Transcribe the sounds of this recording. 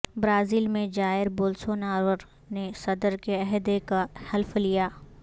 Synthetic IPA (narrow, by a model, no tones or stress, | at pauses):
bɾaːziːlmẽd͡ʒaːɪɾboːlsoːnaːɾwəɾ | nesɐd̪əɾkeɐɦd̪ekahɐlflijaː